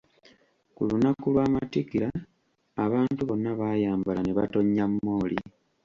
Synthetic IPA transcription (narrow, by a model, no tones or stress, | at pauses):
kulunakulwaːmatikiɾaː | βaːntuβo̞nːaβaːjaːmbalaneβa̰to̞ɲːamːo̞ːli